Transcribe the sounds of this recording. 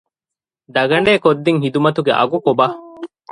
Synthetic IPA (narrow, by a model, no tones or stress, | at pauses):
d̪ɐɡɐɳɖeːkod̪ːiŋhid̪umɐt̪uɡḛʔɐ̰ɡukobɐ